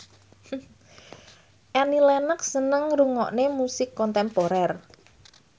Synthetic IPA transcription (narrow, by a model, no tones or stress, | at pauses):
ʔanilɛnək̚sənəŋɾuŋɔ̰ʔnemusɪkːɔnt̪ɛmpoɾɛr